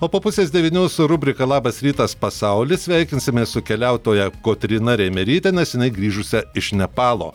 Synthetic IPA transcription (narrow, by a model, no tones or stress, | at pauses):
oːpoːpʊsʲeːzd̪ʲɛʋʲiːnʲuːsʊɾʊbʲɾʲɪkɐlˠɑːbɐsɾʲiːt̪ɐspɐsɑʊlʲɪsʲʋʲæɪkʲɪnʲsʲɪmʲeːssʊkʲɛlʲæʊt̪oːjɛkoːt̪ʲɾʲɪnɐɾʲɛɪmʲɛɾʲiːt̪ʲɛnʲɛsjɪnɐɪɡɾʲiːʒʊsʲɛɪʃnʲɛpɑːlˠo̰ː